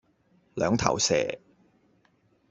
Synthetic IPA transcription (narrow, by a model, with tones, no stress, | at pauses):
lœː˨˧ŋt̪ʰɐ̰˨˩wsɛ̰ː˨˩